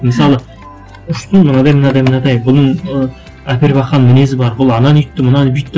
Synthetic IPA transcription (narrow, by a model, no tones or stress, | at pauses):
mɪsɑlˠə | ʊʃt̪ʊnmʊnɑd̪ɑjmənɑd̪ɑjmənɑd̪ɑjbʊlnəɴə | æpeɾbɑqːɑnmɪnes̬ɪbɑɾbʊlˠɑnɑnʏjt̪ːɪmʊnɑnbʏjt̪ːɪ